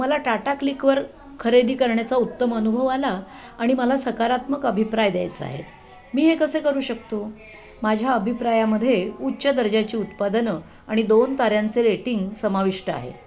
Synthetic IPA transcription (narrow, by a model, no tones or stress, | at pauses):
məlaʈaʈaklikʋəɾ | kʰəɾed̪iːkəɾɳjat͡saut̪ːəmənubʱəʋalaː | ɽ̃iməlasəkaɾat̪məkəbʱipɾajd̪ja̰jt͡səa̰ɦḛ | miːɦekəsekəɾuːɕək̚t̪o | mad͡ʑʱjaəbʱipɾajaməd̪ʱːjeutːɕəd̪əɾd͡ʑat͡ɕiːut̪pad̪ənə | aɽ̃id̪ont̪aɾjant͡seɾeʈiŋɡsəmaʋiʂʈəa̰ɦḛ